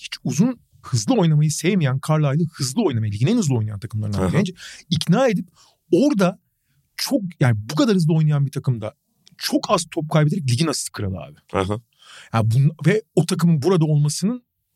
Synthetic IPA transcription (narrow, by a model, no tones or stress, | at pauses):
hi̥t͡ʃuzun | hɯzlˠɯo̞jnamajɯsejmijænkʰaɾlˠajlˠɯhɯzlˠɯo̞jnamajilʲiɟinɛnɯzˠo̞jnajant̪ʰakɯmlˠaɾɯnaend͡ʒɛicnaːe̞d̪ip̚ | oɾd̪a | t͡ʃʰok̚jaːnɪbukʰad̪aɾhɯzlˠɯo̞jnajanbit̪ʰakɯmd̪a̰ | t͡ʃʰo̞kʰaz̥t̪ʰop̚kʰajbeeɾɛc̬lʲiɟinasɯ̥kʰɯɾa̰d̪ˠɯa̰ːbɪ̥ | jaːnbunvɛot̪ʰakɯmɯnbuɾad̪ao̞lˠmasɯnɯn